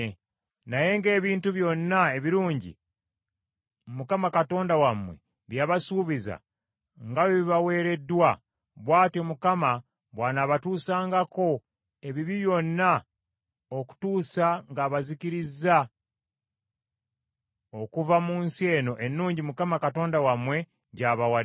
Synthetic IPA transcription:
naje̞ŋɡe̞ːβiːntuβjo̞nːae̞βiɾuːɲɟḭ | mukamakato̞ːndawamwe̞̰ | βjaːβasuːβiza̰ | ŋɡawoβiβawe̞ːɾe̞dːwa | βwaːtomukama | βwaːnaβatuːsaːŋɡako̞ | e̞βiβiβjo̞nːa | oku̥tuːsaŋɡaːβaziciɾizːa | okuvamuːnsie̞ːno̞ʔe̞nːuːɲɟimukamakato̞ːndawamwe̞ | ɟaːβawa

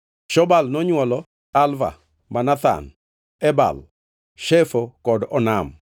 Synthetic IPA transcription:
ʃɔbalnɔɲwɔlɔ | alva̰ | manat̪a̰n | ɛba̰l | ʃɛfokɔdɔnam

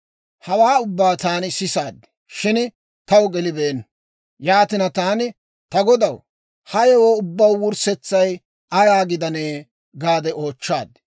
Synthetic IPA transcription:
hɐwaːʊbːaːt̪aːnsɪsaːd̪ | ʃɪn | t̪ɐwɡɛlɪbe̞ːn | jaːt̪ɪnɐt̪aːnɪ | t̪ɐɡɔd̪ɐw | hɐjɛwoːʊbːɐwwʊɾsɛt͡sːɐj | ʔɐɾaːɡɪd̪ɐneː | ɡaːd̪ɛʔo̞ːt͡ʃːaːd̪

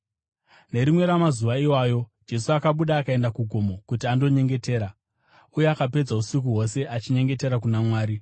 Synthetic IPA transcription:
ne̞ɾimwe̞ɾamazuʋaiwaːjo̞d͡ʒe̞suakaɓuɗaːkae̞ndakuɡʱo̞mo̞kutiando̞ɲe̞ŋɡe̞te̞ːɾa | ujeakape̞d͡zausik̬uɦo̞se̞ʔat͡ʃiɲe̞ŋɡe̞te̞ɾak̬unamwaːɾi

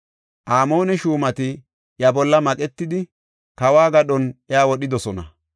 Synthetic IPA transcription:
ʔaːmo̞ːnɛʃuːmɐt̪ɪ | jɐbɔlːɐmɐkʼɛt̪ːɪd̪ɪ | kɐwaːɡɐɗɔnjaːwɔɗɪd̪ɔsɔnɐ̰

